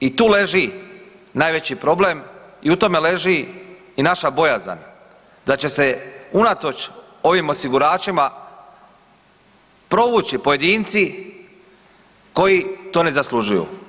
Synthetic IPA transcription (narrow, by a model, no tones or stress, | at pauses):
it̪uːle̞ʒi | naːjʋe̞t͡ɕipɾo̞blemiut̪o̞me̞le̞ʒiː | naʃabo̞jaza̰n | d̪at͡ɕe̞se̞unat̪o̞t͡ʃ | o̞ʋimo̞siɡuɾaːt͡ʃima | pɾo̞ʋut͡ɕipo̞je̞d̪iːnt̪si | ko̞jit̪o̞ːne̞zasluʒujṵ